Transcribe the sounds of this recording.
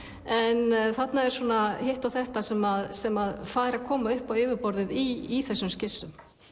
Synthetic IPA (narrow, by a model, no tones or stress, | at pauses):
ɛnθat̪naɛɾ̥suːnahɪht̪awθɛht̪asɛmaðsɛmaðfaːjɾakʰɔːmaʏhpawɪːvɪɾpɔɾðɪðiːθɛsːʏmscɪsːʏm